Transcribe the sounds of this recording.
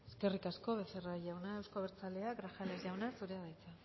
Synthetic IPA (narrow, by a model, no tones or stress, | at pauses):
e̞ske̞rikasko̞βe̞seraʝawnae̞wskoβeɾt͡sale̞aɡɾaxalezʝawnasuɾeaðajt͡sa